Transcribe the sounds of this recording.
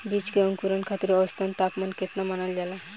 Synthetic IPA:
bit͡ʃkeɔŋkuɾankʰat̪iɾɔst̪ʰant̪apmanket̪namanald͡ʒala

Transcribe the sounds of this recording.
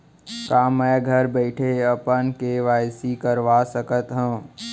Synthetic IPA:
kaːmɛːɡʱəɾbɛɪʈʰeɐpənkeʋaːjsikəɾʋaːsəkət̪ɦə̃ː

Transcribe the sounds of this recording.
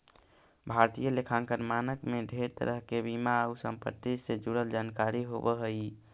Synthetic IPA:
bʱaɾt̪ijəlekʰãŋkəɾmanəkmeɖʱeɾt̪ə̰ɾəɦkebimaəusə̰mpə̰t̪ːised͡ʒuɽəld͡ʒankaɾiɦo̰bəɦəj

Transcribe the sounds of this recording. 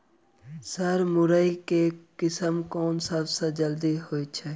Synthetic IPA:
səɾmʊɾəikekɪsəmkoːnsəbsad͡ʒəld̪iɦoːit͡ʃʰɛ

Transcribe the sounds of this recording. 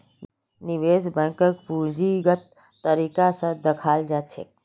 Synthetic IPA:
nɪʋeːsbə̃kəkpuːɾd͡ʒiɡət̪ː | əɾiːkasə̃d̪ɐkʰaːld͡ʒaːt͡ʃʰe

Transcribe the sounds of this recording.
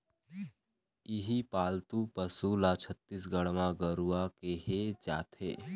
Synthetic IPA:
ɪɦipaːlt̪upəsulat͡ʃʰət̪ːis̬ɡəɽmãɡəɾuakeɦed͡ʒa̰ːt̪ʰeː

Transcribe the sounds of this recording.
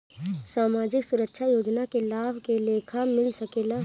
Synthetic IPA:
saːmaːd͡ʒɪksʊɾəkʃʰajoːd͡ʒnakelaːbʱkeleːkʰamɪlsəkeːla

